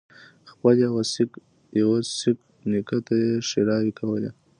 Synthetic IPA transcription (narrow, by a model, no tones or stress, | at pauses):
xpəljawasik | jawasik | nikat̪ajeʂeɾɑwikʰawəlḛ